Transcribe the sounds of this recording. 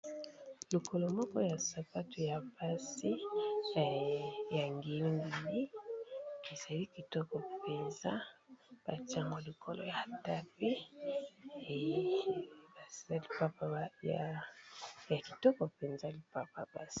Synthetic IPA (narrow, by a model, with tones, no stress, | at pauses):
lu˨kʰo˨lo˨mɔ˦kɔ˦ja˨sa˨pa˦tu˨ja˨ba˦si˦˨ | ja˨ŋɡe˨li˦ŋɡe˨li˦ | e˨za˨li˦ki˨tɔ˦kɔ˨pe˨nza˦b̥a˨ti˦a˦ŋɡɔ˨li˨kʰo˨lo̰˨ja˨ta˦pe˦˨ | ba˨a˦li˨pa˦pa˨ja˨ | ja˨ki˨tɔ˦kɔ˨pe˨nza˦li˨pa˦pa˨ba˦si̥˦